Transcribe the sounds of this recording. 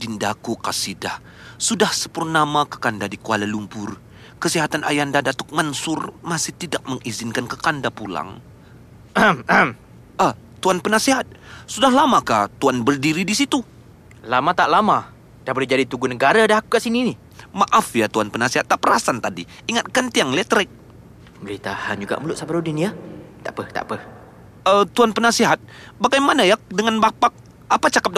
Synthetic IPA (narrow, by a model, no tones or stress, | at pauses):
dindakukasidah | sudahsə̥pʊrnamakə̥kandadikuwalalumpʊr | kəsiɦat̪anʔa̰jandadat̪ʊk̚mansʊrmasɪht̪idak̚məŋʔizɪnkankəkandapula̰ŋ | amam | əht̪uanpənasiɦat̪̚sudaɦlamakaht̪uanbərdiɾidisit̪u | lamat̪aʔlama | d̥ahbəlid͡ʒadit̪uɡunəɡaɾadahakukaʔsinini | maʔafijat̪uanpənasiɦat̪ːaʔpəɾasant̪adḭiŋat̪̚kant̪iaŋlɛt̪ɾɛk̚ | bəlit̪ahand͡ʒuɡa̰ʔməlʊʔsabaɾuduniat̪aʔpəht̪a̰ʔpəh | ət̪uanpənasiɦat̪̚baɡajmanajak̚dəŋanbapak̚ | apat͡ʃakap̚d